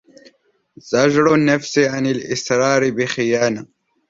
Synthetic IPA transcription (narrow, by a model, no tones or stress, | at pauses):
zɐʒɽonːɐfsiʕanilʔɪsɾɑːɾibixijaːna